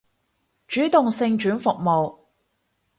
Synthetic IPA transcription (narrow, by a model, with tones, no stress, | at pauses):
t͡ʃyː˨˥t̪ʊ˨ŋsɪ˧ŋt͡ʃyː˨˥nfʊ˨k̚mo˨w